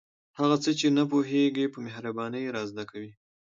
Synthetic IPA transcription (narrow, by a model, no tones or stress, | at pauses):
haɣat͡sət͡ʃenap̬oɦeɡepəmeɦɾabɑnəjɾɑzd̪akawi